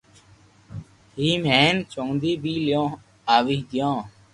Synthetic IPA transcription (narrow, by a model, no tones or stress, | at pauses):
ɦiːmeːnt͡ʃõːnd̪iːbiːljõː | aːʋiːɦɡ̪jãː